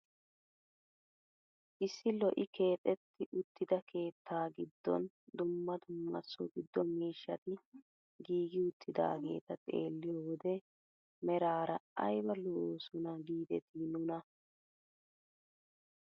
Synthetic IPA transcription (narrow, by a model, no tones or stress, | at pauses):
ʔɪsːɪlɔʔɪke̞ːt̪ʼɛt̪ʰːɪʔʊt̪ːɪd̪ɐkʰe̞ːt̪ʰːaːɡɪd̪ːɔ̰n | d̪ʊmːɐd̪ʊmːɐ̰sɔɡɪd̪ːɔmiːʃːɐt̪ɪ | ɡiːɡɪʊt̪ːɪd̪a̰ːɡe̞̰ːt̪ɐt̪ʼe̞̰ːlːɪjɔwɔd̪ɛ | mɛɾaːɾɐɐjbɐlɔːsʊnɐɡiːd̪ɛt̪ʰinʊnɐ